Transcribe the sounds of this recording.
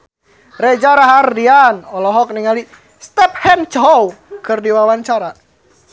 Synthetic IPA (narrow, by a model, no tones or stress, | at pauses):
rɛd͡ʒaɾaɦardianɔlɔɦɔk̚niŋali | st̪ɛp̚hɛnt͡ʃɔwkɨrdiwawaɲt͡ʃaɾa